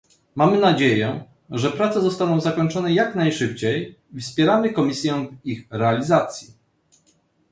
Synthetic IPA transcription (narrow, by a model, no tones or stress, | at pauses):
mamɘnad͡ʑejɛ | ʐɛpɾat̪sɛzɔst̪anɔ̃w̃zakɔɲt͡ʂɔnɛjaknajʂɘp̚t͡ɕejfspʲjɛɾamɘkɔmʲisʲjɛ̃vixɾɛalʲizat̪sʲji